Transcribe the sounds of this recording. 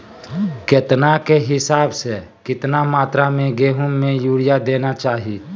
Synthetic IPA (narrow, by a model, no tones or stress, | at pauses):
ket̪nakeɦɪsaːbse | kɪt̪namaːt̪ɾamẽɡeːɦʊ̃mẽjuːɽijad̪eːnat͡ʃaːɦi